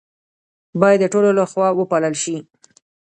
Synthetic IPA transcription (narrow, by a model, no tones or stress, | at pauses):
bɑjad̪ːəʈololaxwɑwəpɑləlʃi